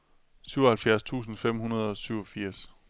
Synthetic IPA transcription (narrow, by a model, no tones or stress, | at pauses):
syʊɒhælfjæɐst͡sʰṵːsn̩fem̰hunɐðˠɒ̽syʊɒ̽fiɐ̰s